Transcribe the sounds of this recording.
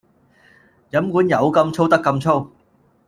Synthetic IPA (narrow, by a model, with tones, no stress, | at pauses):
jɐ˨˥mkuː˨˥njɐ˨˧˥wkɐ˧mt͡ʃʰo˥wt̪ɐ˥kːɐ˧mt͡ʃʰo˥w